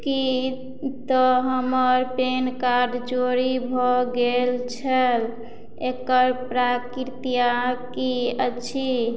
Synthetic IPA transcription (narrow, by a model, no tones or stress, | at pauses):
ki | t̪ɔɦəməɾpenkaɾɖt͡ʃoɾibʱɔɡelt͡ʃʰəl | ekəɾpɾakiɾt̪ijakiət͡ʃʰi